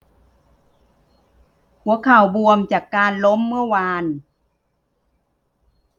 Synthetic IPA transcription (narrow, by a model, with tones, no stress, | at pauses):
hu˨˦əkʰa˨˩wbu˧əmt͡ɕaː˨˩kːaː˧nlo˦˥mːɯ˥˩əwaː˧n